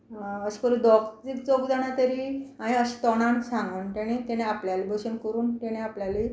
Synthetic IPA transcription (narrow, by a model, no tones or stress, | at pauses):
əɕi̥kəɾud̪ɔkd͡zikt͡sɔkd͡zaɽ̃at̪əɾiaɽ̃iəɕi̥t̪ɔɽ̃ansãŋɡənt̪eɽ̃ẽt̪eɽ̃ẽapljalibəɕənkəɾuːnt̪eɽ̃ẽapljali